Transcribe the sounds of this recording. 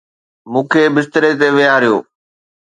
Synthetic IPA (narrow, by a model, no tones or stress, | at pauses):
mũːkʰeːbɪst̪əɾet̪̬eʋɪjaɾɪjo̰ː